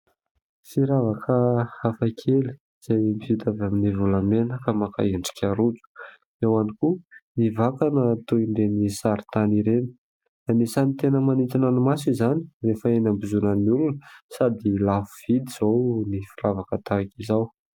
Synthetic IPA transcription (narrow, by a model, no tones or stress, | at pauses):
fiɾavakʰəafakʰeli̥ | z̥ajmifit̪avaminivulamenəkamaka̰eɳɖ͡ʐi̥kʰʲaɾud͡zu̥ | ewanikunivakanət̪uiɳɖ͡ʐenisaɾit̪aniɾeni̥ | anisanit̪enəmanit̪inanimasizani̥refəenambuzunaniulunəsad̪ilafuv̥id̪iz̥ownifiravakət̪akizaw